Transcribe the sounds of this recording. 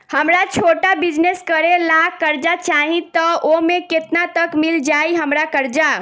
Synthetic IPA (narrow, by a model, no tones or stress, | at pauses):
həmɾat͡ʃʰoʈabid͡ʒneskəɾelakəɾd͡ʒat͡ʃaɦĩt̪əomeket̪nat̪əkmild͡ʒajɦəmɾakəɾd͡ʒa